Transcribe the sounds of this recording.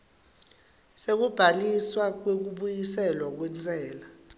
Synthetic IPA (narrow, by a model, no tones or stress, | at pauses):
sek̬ub̥ʱaliswak̬wek̬uɓujisɛlwak̬wɛnd͡zʱʼɛːla